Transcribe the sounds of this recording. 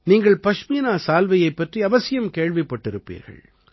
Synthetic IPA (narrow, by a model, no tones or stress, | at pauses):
niːŋɡɐɭpɐʂmiːnaːsaːlʋɐjɐɪpːɐʈriɐʋɐsɪjɐmkeːɻʋɪpːɐʈːɪɾɯpːḭːɾɣɐ̰ɭ